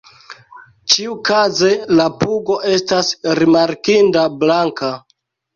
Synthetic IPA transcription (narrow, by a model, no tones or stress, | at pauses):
t͡ʃiukaze̞lapuɡo̞ʔe̞stasɾimaɾkindablaŋka